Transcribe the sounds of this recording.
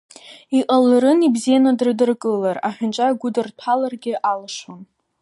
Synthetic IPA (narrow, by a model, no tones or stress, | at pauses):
iqʼalɾɨnibzijanadɨrdɨrkʼɨlara̰ħᶣʊnt͡ʃʼaɡʷʊdɨrtʷʰalarɡʲɪʔalaʂon